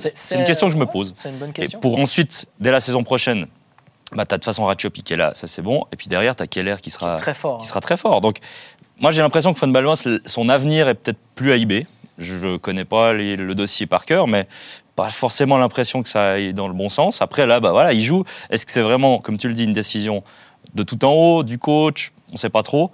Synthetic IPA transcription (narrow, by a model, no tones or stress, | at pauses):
sɛsɛynkʲɛst̪jɔ̃kəʒəməpozɛynbnkepuʁɑ̃sɥit̪d̪ɛlasezɔ̃pχɔʃɛn | bat̪ad̪ə̥fasɔ̃ʁatɔpikʲɛla̰sasɛbɔ̃epɥid̪ɛʁjɛʁt̪akʲɛlɛʁkʲisəʁaɛffɔʁi̥səχat̪χɛfɔʁd̪ɔ̃k | mwaʒelɛ̃pχes̬jɔ̃kfɔnbalwɛ̃ssɔ̃navniʁɛpə̥t̪ɛt̪χplyaibeʒəʒəkɔnɛpaleləd̪ɔsjepaʁkʲœːʁmɛpa̰fɔʁsemɑ̃lɛ̃pχesjɔ̃kə̥saɛd̪ɑ̃ləbɔ̃sɑ̃sapχɛlabavwalailʒuɛskə̥sɛvʁɛmɑ̃kɔmt̪yləd̪iːnd̪esizjɔ̃ | d̪ət̪ut̪ɑ̃od̪ykot͡ʃ | ɔ̃sɛpat̪χo